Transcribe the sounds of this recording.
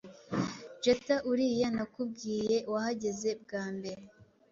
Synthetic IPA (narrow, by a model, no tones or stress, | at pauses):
d͡ʒetaʔuɾijanakub̚ɡiːje̞wahaɟe̞ze̞b̚ɡaːmbe̞ɾe